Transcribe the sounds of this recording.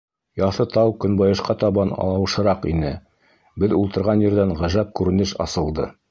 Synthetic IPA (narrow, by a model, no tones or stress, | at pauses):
jɑθɤt̪ɑwkɵ̆nbɑjɤ̆ʃqɑt̪ɑβɑnɑ̰lˠɑwɤ̆ʃɤ̆ɾɑqḭnɘ | bɘðulˠt̪ɤ̆ɾʁɑnjɘ̆ɾd̪æɴʁæʒæp̚kʉɾɘ̆nɘʃɑ̰sɤ̆lˠd̪ɤ